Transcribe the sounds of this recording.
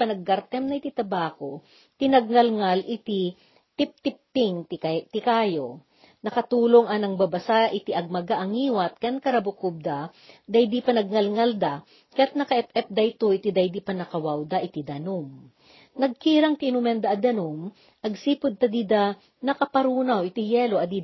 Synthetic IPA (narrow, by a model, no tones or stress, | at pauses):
pɐnɐɡːɐɾt̪ɛmnɐɪt̪it̪ɐbaːko | t̪ɪnɐɡ̚ŋɐlŋalʔɪt̪i | t̪ɪp̚t̪ɪp̚t̪ɪŋt̪t̪ɪkaːjo | nɐkɐt̪uːloŋɐnɐŋbɐbɐsaʔɪt̪iʔɐɡ̚mɐɡaʔɐŋiːwɐt̪̚kɐnkɐɾɐbʊkub̚d̪ad̪ɐjd̪ipɐnɐɡ̚ŋɐlŋald̪a | kɐjat̪̚nɐkɐʔɛp̚ɛp̚d̪ɐjt̪oʔɪt̪id̪ɐjd̪ipɐnɐkɐwawd̪aʔɪt̪id̪ɐnum | nɐɡ̚kiːɾɐŋt̪ɪʔnʊmɛnd̪aʔɐd̪ɐnum | ʔɐɡsipʊd̪̚t̪ɐd̪id̪a | nɐkɐpɐɾuːnawɪt̪ijɛloʔɐd̪i